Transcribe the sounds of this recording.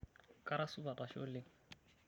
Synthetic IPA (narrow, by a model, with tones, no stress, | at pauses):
kʼa˦ɾa˦sʊ˦ba˨ta˨ʃɔ̰˦lɪ˦